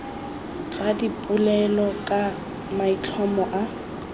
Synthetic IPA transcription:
t͡sʼadipʼʊlɛlɔkʼa | mait͡ɬʰɔmɔʔa

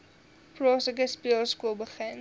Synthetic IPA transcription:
plɔsəkəspiəlˠskuəlˠbəχən

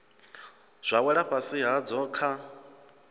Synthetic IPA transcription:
z̥ʷawɛɺaɸasiɦad͡zɔkʰa

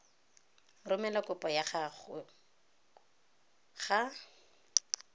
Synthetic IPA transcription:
rʊmɛlakʊpɔjaχaχʊ | χa

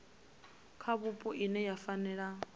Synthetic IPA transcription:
kʰaβupʼɔʔinɛjafanɛːɺa

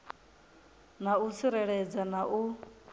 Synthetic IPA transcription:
naut͡sʰiɾɛɺɛd͡zanaʔu

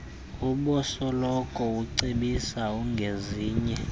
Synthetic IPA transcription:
uɓɔsɔlɔkʼɔuǀiɓisauŋɡʱeziːɲɛ

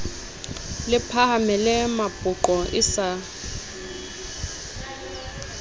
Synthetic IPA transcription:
lɪpʰahamɛlɛmapʼʊǃɔʔɪsa

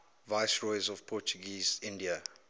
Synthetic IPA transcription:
vaɪsɹɔɪzɔv̥pʰɔt͡ʃuɡiːzɪ̃ndiə

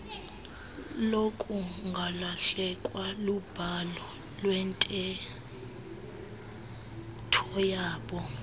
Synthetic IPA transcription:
lokʼuŋɡʱalaɬɛkʼwalub̥ʱalɔ | lwɛntʼɛ | tʰɔjaːɓɔ

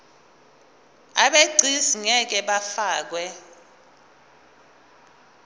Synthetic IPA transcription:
aɓeɡ͡ǀʱiziŋɛk̬ɛɓafaːk̬wɛ

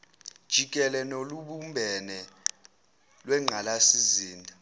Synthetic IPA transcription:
d̥ʒ̥ʱik̬ʼɛlɛnoluɓumbʱɛnɛ | lwɛŋ͡ǃʱalasiziːndʱa

